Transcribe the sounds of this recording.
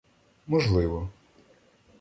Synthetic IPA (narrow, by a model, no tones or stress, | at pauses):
mɔʒlˠɪʋɔ